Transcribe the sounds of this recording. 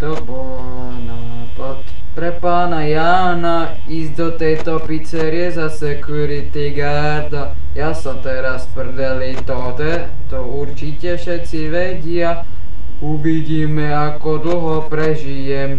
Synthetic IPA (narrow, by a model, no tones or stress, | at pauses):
t̪ɔbɔl | na | pat̪ | pɾɛpaːnajaː | na | izd̪ɔt̪ɛjt̪ɔpit͡sɛɾiɛzasɛkjuɾit̪iɡa | ɾd̪a | jasat̪ɛɾaspr̩d̪alit̪ɔd̪ɛ | t̪ɔuɾt͡ʃicɛfʃɛt̪t͡siʋɛɟɪa | uʋiɟiːmɛakɔd̪l̩ɦɔpɾɛʒijɛm